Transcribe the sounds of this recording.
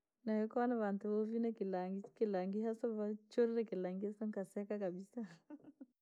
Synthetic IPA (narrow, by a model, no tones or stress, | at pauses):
nahɛkɔwanaβantuβɔvinakilaŋɡikilaŋɡiɦasaβat͡ʃɔɾiɾɛkilaŋɡiasaŋkasɛkakaɓisa